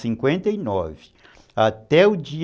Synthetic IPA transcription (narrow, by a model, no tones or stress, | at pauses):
sĩŋkwẽnt̪ɐinɔvɪ | at̪ɛʊd͡ʒi